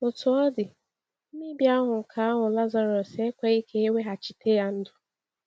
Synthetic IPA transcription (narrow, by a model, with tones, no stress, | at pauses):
ʊ˨tʊ˨ɔ˦dɪ˨ | m̩˦mi˦bja˦ɦʊ˨ŋ̩˨kʰa˨˦a˦ɦʊ˨la˦za˨ɾɔ˨se˦kʷe˦i˦ke˦e˦we˦ɦa˨t͡ʃi̥˨tʰe˦ja˦n̩˦dʊ̥˨